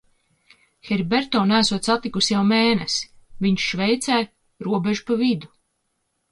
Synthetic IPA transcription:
xɛɾbeɾt̪ɔːnæːsuɔt̪sat̪ːikusjawmɛːnɛsviɲʃʃvɛjt̪sæːj | ɾuɔbʲeʒupavid̪u

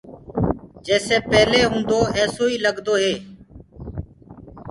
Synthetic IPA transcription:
d͡ʒɛːseːpɛːleːɦũːnd̪oːɛːsoːiːləɡd̪oːɦeː

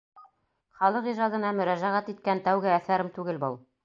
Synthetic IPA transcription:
χɑlˠɤqiʒɑd̪ɤ̆nɑmɵ̆ɾæʒæʁæt̪it̪̚kænt̪æwɡɘæθæɾɘmt̪ʉɡɘlbɤlˠ

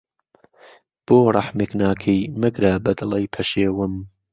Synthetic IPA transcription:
b̥oːrˤɑħmeknaːkʰijmɨɡɾabɐd̪ɨlɐjpʰɐʃeːwɨm

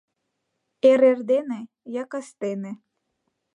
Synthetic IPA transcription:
eɾerd̪ene | jɑkɑst̪enĕ

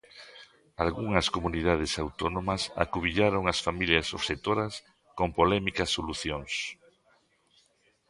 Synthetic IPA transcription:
alɣuŋɐskomuniðaðɪsawt̪onomɐsa̰kuβiʎaɾoŋɐsfamiljɐso̰βset̪oɾɐs | kompolɛmikɐsːoluθjoŋs

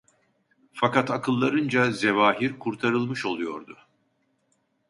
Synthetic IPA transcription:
fakat̪akʰɯlˠːaɾɯnd͡ʒazevaːɦiɾkʰuɾt̪ʰaɾɯlˠmɯʃo̞lˠujo̞̰ɾd̪ʊ

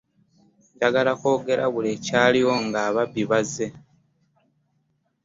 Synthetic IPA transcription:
ɟaɡalako̞ːɡe̞ɾaβule̞ːcaːliwo̞ŋɡaːβabːiβazːe̞

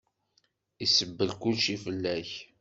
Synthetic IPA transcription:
isəbːəlkʊlʃifəlːæç

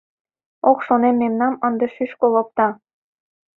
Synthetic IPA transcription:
okʃonemːemnɑmɤnd̪ɤ̆ʃyʃkolɤ̆k̚t̪ɑ

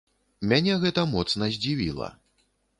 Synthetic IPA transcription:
mʲanʲɛɣɛt̪ɐmɔt̪snɐzʲd͡zʲivʲḭlˠɐ̰

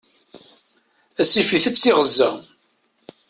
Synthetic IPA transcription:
æsifiθət͡sːɪʁəzːæ

